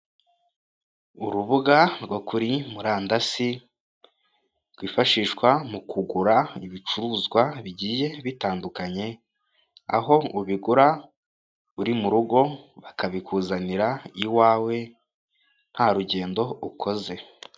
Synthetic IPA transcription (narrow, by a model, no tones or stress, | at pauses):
uɾuβuɡaɾɡokuɾimuɾaːndasi | ɾɡwiːfaʃiːʃkwamukuɡuɾaiβit͡ʃuɾuːzɡwaβiɟiːje̞βitaːndukaɲe̞ | a̰ɦo̞uβiɡuɾa | uɾimuɾuɡo̞βakaβikuːzaniɾaiwaːwe̞ | n̥haɾuɟe̞ːndo̞ukʰo̞ze̞